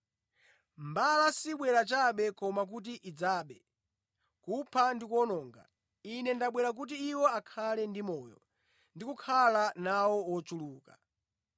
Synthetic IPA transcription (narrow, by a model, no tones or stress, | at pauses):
mbalasiɓwɛɾat͡ʃaɓɛkɔmak̬ut̬iʔid͡zaːɓɛ | kupʰandikwɔnɔːŋɡa̰ | inɛndaɓwɛɾak̬ut̬iːwɔakʰalɛndimɔːjɔ̰ | ndikukʰalanawɔwɔt͡ʃuluːka